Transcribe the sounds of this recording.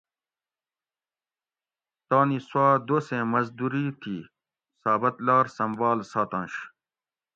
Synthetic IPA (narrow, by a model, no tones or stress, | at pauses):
t̪aːniswaːd̪oːsẽːmɐzd̪uɾit̪ʰiː | saːbɐt̪laːɾsɐmbaːlsaːt̪ɑ̃nɕ